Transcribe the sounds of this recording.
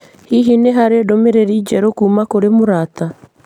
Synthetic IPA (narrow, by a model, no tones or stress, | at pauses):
hiɦineɦaɾedomeɾeɾiːd͡ʒɛɾokuːmakoɾemoɾaːta